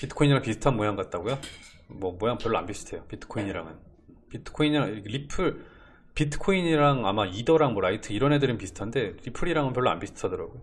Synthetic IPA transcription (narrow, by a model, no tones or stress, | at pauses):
pitʰɯ̥kʰoiɲiɾaŋpisʰɯ̥tʰanmojaŋɡat̚t͈aɡojo | mwʌmojaŋpjʌɭːoa̰nbisʰɯ̥tʰe̞jopitʰɯ̥kʰoiɲiɾa̰ŋɯn | pitʰɯ̥kʰoiɲiɾaŋkɾipʰɯɭ | pitʰɯ̥kʰoiɲiɾaŋamaidʌɾaŋmʌɾaitʰɯiɾʌnɦe̞dɯɾɯnpisʰɯ̥tʰande̞ɾipʰɯɾiɾaŋɯnpjʌɭːoa̰nbisʰɯ̥tʰadʌɾa̰ɡojo